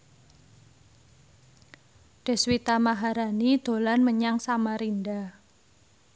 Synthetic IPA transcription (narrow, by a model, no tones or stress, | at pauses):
ɖ̥e̤swit̪amaɦaɾanid̪̥o̤lanməɲaŋsamaɾinda